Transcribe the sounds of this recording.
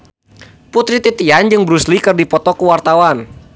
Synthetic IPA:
put̪ɾit̪it̪iand͡ʒɨŋbɾuslikɨrdipɔt̪ɔkuwart̪awan

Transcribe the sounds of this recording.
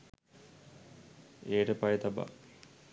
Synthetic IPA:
eːʈəpajet̪ɐba̰

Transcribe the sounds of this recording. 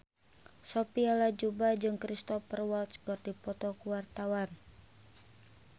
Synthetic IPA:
sopialad͡ʒubad͡ʒɨŋkɾist̪ɔfərwɔlt̪skɔt̪̚dipɔt̪ɔkuwart̪awan

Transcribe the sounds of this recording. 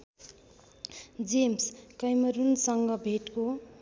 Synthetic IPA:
d͡zemskʌjmʌɾunsʌŋɡʌbʱeʈko

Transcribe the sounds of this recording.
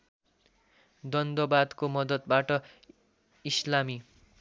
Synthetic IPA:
d̪ʌnd̪obad̪komʌd̪ʌt̪̚baʈʌ | islami

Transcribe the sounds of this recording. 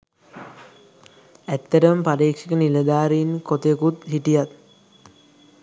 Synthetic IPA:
æt̪ːəʈəmmpadeːkʂikəniləd̪aːɾiːnkot̪ekut̪ɦiʈijat̪̚

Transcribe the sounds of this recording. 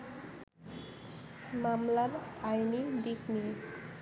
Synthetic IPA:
mamlaɾajnid̪ikni

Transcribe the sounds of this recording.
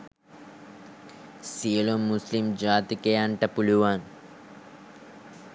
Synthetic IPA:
sielomːuslimd͡ʒaːt̪ikejaɳʈɐpuluʋaːn

